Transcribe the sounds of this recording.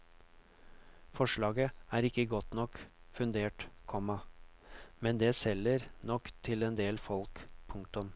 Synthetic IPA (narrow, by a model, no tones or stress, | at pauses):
fɔʂɭɑːɡəæːɾɪkːəɡɔt̪nɔkfʉnd̪eːʈkʰɔmɑ | mɛnd̪eːsɛlːəɾnɔkt̪ʰɪlɛnd̪eːlfɔlkpʰʊŋk̚t̪ʊm